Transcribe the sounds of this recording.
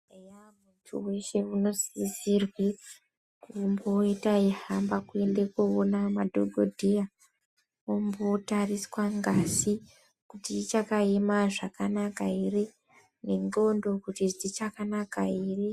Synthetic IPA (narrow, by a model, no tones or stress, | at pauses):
ejamutʰṵwe̞ʃe̞uno̞zisirwe | kumboitaiɦambakue̞ndekuonamadʱoɡʱodʱeja | ombotariswaŋɡasi | kutit͡ʃakae̞maʐakanakaere | ne̞no̞ndo̞kutiʐit͡ʃakanakaiːre